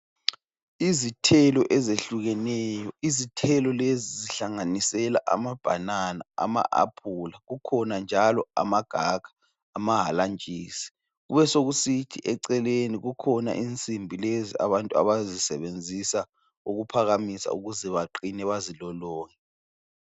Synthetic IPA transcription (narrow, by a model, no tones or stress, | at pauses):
izitʰɛlɔʔɛzeɬuɣɛnɛːjɔizitʰɛlɔleziziɬaŋanisɛla̰ʔa̰mab̥ʱananaa̰ma̰ʔa̰pʰuːlaɣukʰɔnand͡ʒʱalɔa̰maɡ̥ʱaɡ̥ʱḁː | maɦaland͡ʒʱʼiːsi̥ | ɣṵβɛsoɣusitʰiʔɛǀɛleniɣukʰɔna̰ʔint͡sʼimbʱilezia̰βantʼua̰βazisɛβend͡zʱisa | uɣupʰaɣamisa̰uɣuzɛβaǃinɛβazilɔlɔːŋɛ